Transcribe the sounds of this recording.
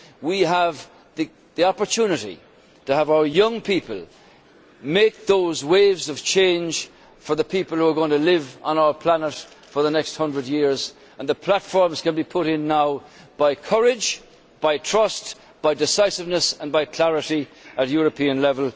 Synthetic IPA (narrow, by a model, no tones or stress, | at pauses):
wiəv | ði | ðiɑpə˞tʰunɨɾḭ | təːvaʊə˞jʌ̃ŋpʰipəlˠ | meɪk̚ðoʊzweɪvzʌv̥t͡ʃʰẽɪ̃nʒ̥ | fə˞ðəpʰipəl̩ˠhuə˞ɡõɪ̃ŋtʰəlɪvə̃naʊə˞pʰl̥ænət | fə˞ðənɛkst̚hʌ̃ndɹədjɪɹz | ə̃nðəpʰl̥atfɔɹmz̥kə̃nbipʰʊɾɪ̃nːaʊ | b̥aɪkʰʌɹɪd͡ʒ | b̥aɪtʰɹ̥ʌst | b̥aɪdɨsaɪsɨvnəsə̃nbaɪkʰl̥æɹɨɾiət̚jɔɹəpʰĩə̃nlɛvəlˠ